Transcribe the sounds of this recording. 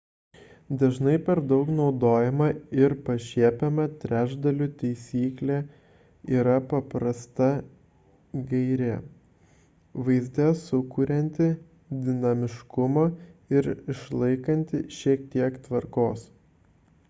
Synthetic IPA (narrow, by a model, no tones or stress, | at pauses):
d̪ɐʒnɐɪpʲɛɾd̪ɐʊknɒʊd̪oːjɛmɐɪɾpɐʃʲiɛpʲɛmɐt̪ʲɾʲæːʒd̪ɐlʲut̪ʲɛɪsʲiːklʲæ | iːɾɐpɐpɾɐst̪ɐ | ɡɐɪɾʲɛ | ʋɐɪzʲd̪ʲɛsʊkuːɾʲɛnʲt̪ʲɪ | d̪ʲɪnɐmʲɪʃkʊmɐɪɾɪʃlˠɐɪkɐnʲt̪ʲɪʃʲiɛk̚t̪ʲiɛkt̪ʋɐɾkoːs